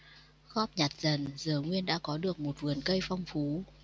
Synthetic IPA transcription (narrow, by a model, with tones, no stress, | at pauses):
xɔ˦˥p̚ɲa˨˩t̚zə˨˩nzɨ˨˩əŋwi˧ənɗa̰ː˧˥kɔ˨˦ɗɨ˨˩ək̚mo˨˩t̚vɨ˨˩ənkə˧jfa˧wŋ͡mfu˨˦